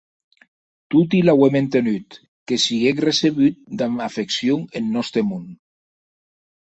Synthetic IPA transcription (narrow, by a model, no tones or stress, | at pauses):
t̪ut̪̬ilawement̪enyt̪ | kesiɣekreseβyt̪̚d̪aafeksjoŋenːɔst̪ɾemun